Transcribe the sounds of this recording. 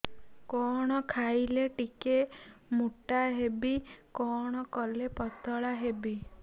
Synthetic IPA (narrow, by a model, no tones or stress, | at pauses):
kɔɽ̃ɔkʰajleʈikemuʈaɦebikɔɽ̃ɔkɔlepɔt̪ɔɭaɦebi